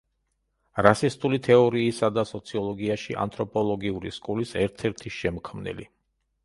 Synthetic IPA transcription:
ɾasist̪ʼulit̪ʰɛɔɾiːsad̪asɔt̪sʰiɔlˠɔɡiaʃiʔa̰nt̪ʰʼɾɔpʼɔlˠɔɡiuɾiskʼulisɛɾt̪ʰɛɾt̪ʰiʃɛmkʰmnɛ̰lḭ

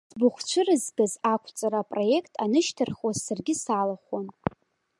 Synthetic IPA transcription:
sbuχʷt͡ʃʷʰɨrɨzɡazakʷʰt͡sʼaɾaːpʼro̞je̞kʼʰtʼanɨʃtʰɨrχwazsarɡʲɪsalaχʷon

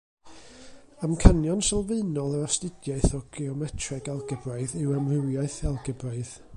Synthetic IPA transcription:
amkʰanjɔnsɛlˠveɨnɔlˠəɾɔstɪdjaɨθɔɡ̥iɔmɛtʰrɛɡɛlˠɡəbraɨðɪwamrɨwjaɨθɛlˠɡɛbraɨð

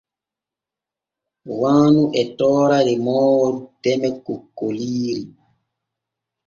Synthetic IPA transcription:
waːnuʔɛtɔːɾaɾɛmɔːwɔdɛmɛkːukːoliːɾi

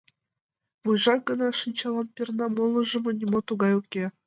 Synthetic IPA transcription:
vujʐɑk̚ɡɤ̆nɑʂɯnʲt͡ɕɑlˠɑnpʲirnɑmolˠɤ̆ʐɤ̆mŏnʲimot̪uɡɑjukʲːe

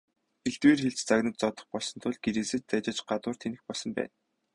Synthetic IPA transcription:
xeɮt̪weːrxeɮt͡ɕt͡saɣnə̆t̪̚t͡sɔt̪ɞ̥̆χpɔɮsɞ̆nt̪ʰʊɮɡeɾɘ̆ːsɘ̆t͡ɕ̚t͡sæt͡ɕɪ̆t͡ɕɢat̪ʊːr̥t̪ʰenɘ̆xpɔɮsɞ̆mpæ̰ːn

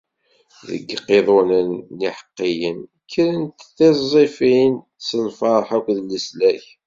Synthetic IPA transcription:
ðə̰ɡqːeðˤonənːiħə̥qːijən | kːəɾənt̪θizˤifin | səlfɑɾˤħækʷðləslæç

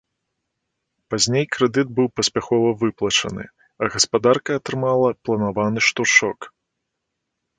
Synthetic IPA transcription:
pazʲnʲejkɾɛd̪ɨd̪̚bɨwpɐsʲpʲaxɔvɐvɨplˠɐt͡ʂɐ̰nɨ̰ | ɐɣɐspad̪arkɐːt̪ɾɨmalˠɐplˠɐnavanɨʂt̪uʂɔk

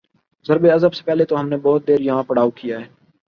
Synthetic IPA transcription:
zəɾbeɐzəbse̥pɛːlet̪oɦɐmnebɔːt̪̚d̪eːɾjɐɦãːpəɽaːukijaːɦɛː

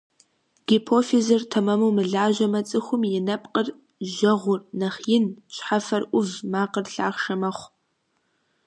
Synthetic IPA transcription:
ɡ̥ipʰoːfizɨrtʰɐmɐmuwmɨɮaːʒɐmɐt͡sʼɨxʷʊmjɪnɐpʼqʼər | ʒɐʁʷʊrnɐχjɪnɕħafɐrʔʷʊvmaːqərɬa̰ːχʃɐmɐχʷ

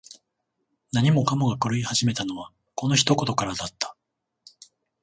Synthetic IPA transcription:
naɲ̟imo̞kamoɡakɯ̟ɾɯ̟ihaʑime̞t̪ano̞βa | ko̞no̞çi̥t̪o̞ko̞t̪o̞kaɾad̪at̪ːḁ

